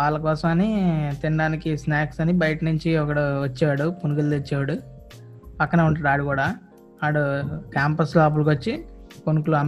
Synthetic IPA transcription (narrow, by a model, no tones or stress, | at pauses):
aːɭːɐk̬ɔːsɐmɐnit̪iɳɖaːnikisnaːksɐnibɐjɐʈɐnuɲt͡ʃiɔkɐɽuʋɐt͡ʃːaːɽuponukild̪it͡ʃːaːɽu | pɐkːɐneuɳʈɐːɾaːɽukuːɽaː | aːɽukaːmpɐslaːp̬ulɐk̬ʋɐt͡ʃːiponukuluɐm